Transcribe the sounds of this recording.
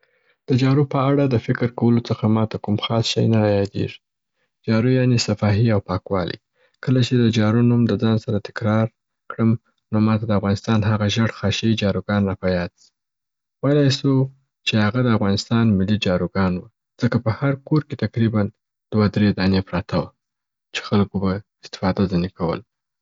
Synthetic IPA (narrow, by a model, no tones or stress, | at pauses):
d̪̥əd͡ʒɑɾupəaɽad̪əfɪkɾkawəlot͡səxamɑt̪akumxɑsʃa̰jnaajɑd̪ḛʐi̥ | d͡ʒɑɾujɑnesafɑɦiawpɑkwɑ̰lʔḭ | kəlat͡ʃed̪əd͡ʒɑɾunumd̪əd͡zɑnsaɾat̪ɪ̥kɾɑɾ | kɽəm | nomɑt̪ad̪əafɣɑnɪst̪ɑnɦaɣaʒəɽxɑʃad͡ʒɑɾuɡɑnːapajɑd̪si̥ | wejlɑjsu | t͡ʃehaɣad̪əafɣɑnɪst̪ɑnmɪlid͡ʒɑɾuɡɑnwu | d͡z̥əkapəhaɾkoɾket̪akɾiban | d̪̥wad̪ɾed̪ɑnepɾɑt̪ʰawa | t͡ʃe̥xalkobaɪst̪ɪ̥fɑd̪azanekʰawə̰l